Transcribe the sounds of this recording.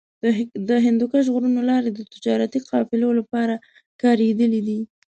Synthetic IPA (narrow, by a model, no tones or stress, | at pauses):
d̪əɦɪnd̪ukaʒɣuɾunolɑɾed̪ət̪ɪd͡ʒɑɾat̪iqɑfɪlolapɑɾa | kɑɾed̪əlid̪i